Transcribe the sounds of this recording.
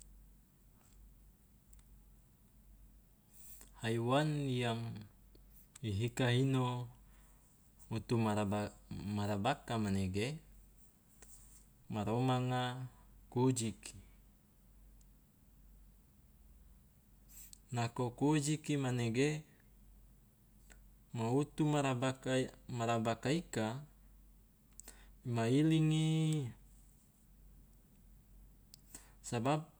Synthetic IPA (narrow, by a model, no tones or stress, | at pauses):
haiwanjaŋ | iɦikaɦino | ut̪umaaamaɾabakamaneɡe | maɾomaŋakod͡ʒikʰi | nakokod͡ʒikimaneɡe | maut̪umaɾabakamaɾabakaika | imailiŋi | sabab̚